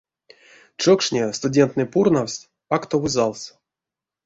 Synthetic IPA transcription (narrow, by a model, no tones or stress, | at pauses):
t͡ʂokʂnʲest̪udʲent̪nɨjpurnawsʲ | akt̪ovɨzalˠsʲ